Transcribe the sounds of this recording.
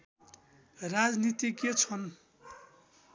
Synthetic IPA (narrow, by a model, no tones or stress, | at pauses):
rad͡znit̪iket͡sʰʌn